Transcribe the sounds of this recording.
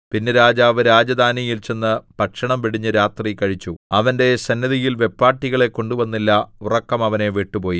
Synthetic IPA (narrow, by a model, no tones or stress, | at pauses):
pinːeɾaːd͡ʑaːʋɨɾaːd͡ʑɐd̪ʱaːnijilt͡ɕe̞nːɨb̥ɐkʂɐɳɐmʋiɽiɲːɨɾaːt̪rikɐɻit͡ɕːuɐʋɐnde̞sɐnːɐðijilʋe̞pːaːrʈːiɣɐɭe̞kːo̞ɳɖuʋɐnːilːɐurɐkːɐmɐʋɐne̞ʋeʈːupo̞ːji